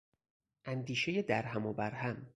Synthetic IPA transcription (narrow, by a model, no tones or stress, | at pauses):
ʔænd̪iːʃeje̞d̪æɾɦæmobæɾhæm